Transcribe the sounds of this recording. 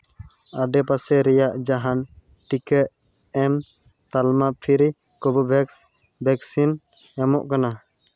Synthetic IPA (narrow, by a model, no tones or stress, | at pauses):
aɖɛpasɛɾɛjaʔd͡ʒaɦan | ʈikəʔ | ɛm | t̪almapʰiɾi | kɔbɔbʱɛks | bʱɛksin | ɛmɔʔkana